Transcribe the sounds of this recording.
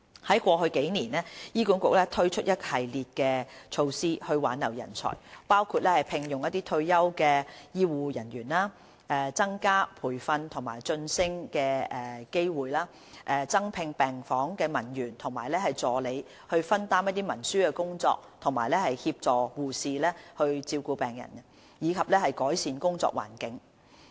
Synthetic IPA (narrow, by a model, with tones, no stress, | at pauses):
hɐ˨˥jkʷɔː˧ɦɵ˧ɥke˨˥jniː˨˩nɛː˥jiː˥ku˨˥nkʊ˨k̚lɛː˥t̪ʰɵ˥ɥt͡ʃʰɵ˥t̚jɐ˥t̚hɐ˨jliː˨t̚kɛː˧t͡ʃʰo˧wsiː˥hɵ˧ɥwa̰ː˨˥nːɐ˨˩wjɐ̰˨˩nt͡sʰɔ̰ː˨˩jpaː˥wkʰu˧t̚lɛː˥hɐ˨jpʰɪ˨ŋjʊ˨ŋjɐ˥t̪̬iː˥t̪ʰɵ˧ɥjɐ˥wkɛː˧jiː˥wuː˨jɐ˨˩njyː˨˩nlaː˥ | ʔɛ˨˩t͡sɐ˥ŋkaː˥pʰuː˨˩jfɐ˧nt̪ʰʊ˨˩ŋma̰ː˨˩jt͡sɵ˧nsɪ˥ŋkɛː˧ɛ˨˩ke˥jwuː˨jlaː˥ | ʔɛː˨t͡sɐ˥ŋpʰɪ˧ŋpɛː˨ŋfɔː˨˥ŋkɛː˧mɐ˨˩njyː˨˩nt̪ʰʊ˨˩ŋmaː˨˩jlɛː˥hɐ˨jt͡sɔː˨le˨˧j | hɵ˧ɥfɐ˥nt̪aː˥mjɐ˥t̪̬̚iː˥mɐ˨˩nsyː˥kɛː˧kʊ˥ŋt͡sɔ̰ː˧k̚t̪ʰʊ˨˩ŋmaː˨˩jlɛː˥hɐ˨jhiː˧p̚t͡sɔː˨wuː˨siː˨lɛː˥hɵ˧ɥt͡siː˧wkuː˧pɛː˨ŋjɐ̰˨˩nɐ˧ | jiː˨˧kʰɐ˨p̚lɛː˥hɐ˨jkɔː˨˥jsiː˨˧nkʊ˥ŋt͡sɔ̰ː˧˨k̚wa̰ː˨˩nkɪ˨˥ŋ